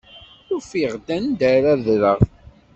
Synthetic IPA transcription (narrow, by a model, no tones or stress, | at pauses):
θufiʁd̪ænd̪æɾaðɾəʁ